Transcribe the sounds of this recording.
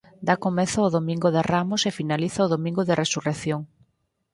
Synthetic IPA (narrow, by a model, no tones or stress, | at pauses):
d̪akomeθʊʊðomĩŋɡʊðɪramʊsefinaliθɐoðomĩŋɡʊðɪresureθjoŋ